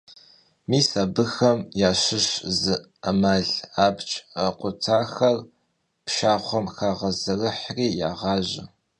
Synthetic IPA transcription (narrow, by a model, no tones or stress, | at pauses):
miːsabɨxɐmjaːɕɪɕzɨ | ɐmaːɮaːbt͡ʃʼɐqʷʊtʰaːxɐr | pʃaːχʷɔmxaːʁɐzɐrɨħriːja̰ːʁɑːʑɪ̰